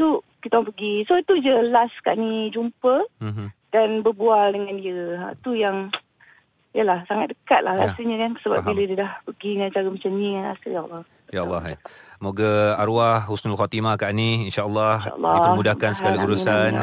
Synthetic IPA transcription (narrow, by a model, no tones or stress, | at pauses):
t̪u | kit̪awŋpəɡisoit̪ud͡ʒəlaska̰ʔnid͡ʒumpə | d̥anbəbualdəŋãndiəɦã̰t̪ujaŋ | jəlahsaŋat̪̚dəkat̪̚la̰hɾa̰səɲəkansəba̰p̚bilədədahpəɡiŋant͡ʃaɾəmat͡ʃamɲiŋanɾa̰səjaʔlːɔ | jalːɑɦmoɡaaɾwahhusnalxat̪imakaʔniinʃaʔəlːɑhlːɔmudahkansəɡaliuɾusan